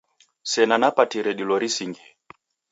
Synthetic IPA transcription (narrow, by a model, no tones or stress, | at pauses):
sɛnanapatiɾɛɗilɔɾisiŋɡiɛ